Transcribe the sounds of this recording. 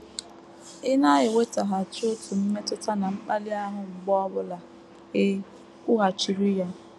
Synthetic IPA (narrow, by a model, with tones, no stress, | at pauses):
ɪ˦na˦jɪ˨we˦ta˨ɦa˨t͡ʃo˦tu˨m̩˦me˦tʊ˦ta˦na˨ŋ͡m̩˦k͡pa˦li˦a˦ɦʊ˨ŋ͡m̩˨ɡ͡bɔ˦ɔ˦bʊ˦la˨ | ɪ˦ | kʊ˦ɦa˨t͡ʃi˨ɾi˦ja˦